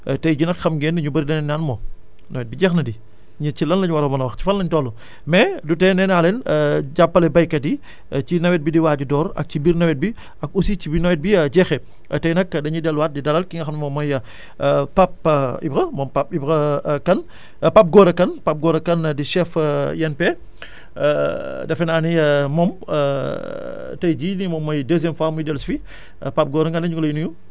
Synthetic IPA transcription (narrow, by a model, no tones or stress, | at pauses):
tɐjɟunɐkxɐmɡɛːnɐɲubɐɾidɐnɛnanmɔː | nɐ̰wɛt̚biɟɛxnɐdi | ɲicilɐnlɐɲwɐɾɐmɐnɐwɐxci̥fɐllɐɲtɔːlu | mɛdutɛnɛnaːlɛnɟapːɐlɐbɐjkɐdi | t͡ʃinɐwɛt̚bidiwaːɟudɔːɾɐ̰k̚cibiːɾnɐwɛt̚bi | ɐk̚usicibinɐwɛt̚biɟɛːxɛ | tɐjnɐkːdɐɲudɛlwaːt̚didɐlɐlkiŋɡɐxɐmnmɔːmɔjɐ | pɐp̚ibkɐmɔmpɐp̚ibkɐkɐn | pɐp̚ɡɔːɾɐkɐnpɐp̚ɡɔːɾɐkɐndiʃɛfjɐnpɛ | dɐfɛnaːnimɔm | tɐjɟiːnimɔːmːɔjdez̬ɛmfaːmujidɛlsfi | pɐp̚ɡɔːɾɐŋɡɐnɐɲɡɔlɐjunuju